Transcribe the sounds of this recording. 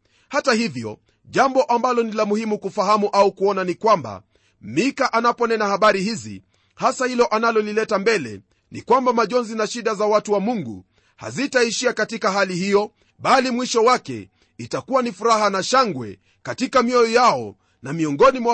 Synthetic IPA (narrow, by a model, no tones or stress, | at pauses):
hatahivjɔ̰ | ʄambɔʔambalɔnilamuhimukufaɦamuʔaukuɔnanikwamba̰ | mikaʔanapɔnɛnahaɓaɾihizḭ | hasahilɔʔanalɔlilɛtambɛlɛ̰ | nḭkwambamaʄɔnzinaʃiɗazawatuwamuŋɡṵ | ha̰zitaiʃiakatikaɦalihijɔ | ɓalimwiʃɔwakɛ̰ | itakuwanifuɾaɦanaʃaŋɡwɛ̰ | katikamiɔjɔjaɔ̰ | namiɔŋɡɔnimwa